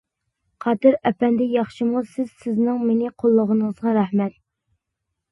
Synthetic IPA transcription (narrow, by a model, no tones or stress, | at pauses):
qʰɑt̪ɨɾɛpɛnd̪ɛjɑχʃimusɪz̥sɪznɪŋmenɪqʰolˠːəʁənəəzʁɑɾɛhmɛt̪̚